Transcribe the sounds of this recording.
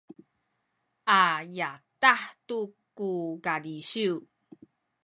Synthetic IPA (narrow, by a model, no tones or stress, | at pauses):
ʔajataħtukuɡaliɕiw